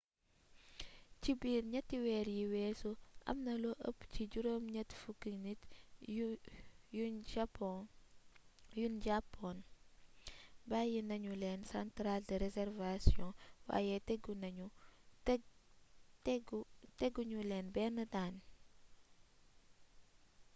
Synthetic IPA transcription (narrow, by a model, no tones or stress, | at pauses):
cibiːɾɲɐtːiwɛːɾjiwɛsuʔɐ̰mnɐloʔə̰pːciɟuɾomɲɐtːfukːinit | jund͡ʒapɔ | jund͡ʒapːɔn | bajinɐɲulɛnsɐntɾaldəɾɛzɛrvasjɔ̃wa̰ːjɛtɛɡunɐɲu | ɡtɛɡːuɲulɛnbɛːnɐdaːn